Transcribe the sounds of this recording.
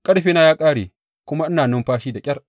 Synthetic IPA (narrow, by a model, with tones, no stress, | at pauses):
kʼɐ˦ɽɸiː˦na˦jaː˦kʼaː˦ɽeː˨ | kʷʊ˦ma˦ʔɪ˦naː˨nʊ˦mɸaː˦ʃiː˦da˨kʲʼɐ˦r